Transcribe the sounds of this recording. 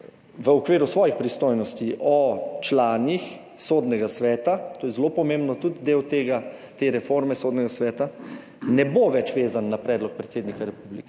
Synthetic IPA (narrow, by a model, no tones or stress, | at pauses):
ʋəɔkʋiːɾusʋɔːjixpɾist̪oːjnɔst̪iʔɔt͡ʃlaːnix | soːd̪nɛɡasʋɛːt̪at̪oːjɛzlopɔmẽmbnɔt̪ud̪d̪eːwt̪eɡat̪eɾɛfoɾmɛsoːd̪nɛɡasʋɛːt̪a | nɛboʋɛt͡ʃʋeːzanːapɾɛːd̪lɔk̚pɾɛt̪seːd̪nikaɾɛpublikɛ